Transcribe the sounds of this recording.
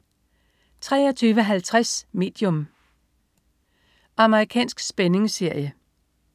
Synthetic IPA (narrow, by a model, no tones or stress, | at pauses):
t͡sʰʁɛ̰ːɐt͡sʰyːʋəɦælt͡sʰʁasme̝̰ːd̥jɔm | ɑ̈məʁikʰɛ̰ːnsɡ̥sb̥ene̝ŋse̝ɐ̰jə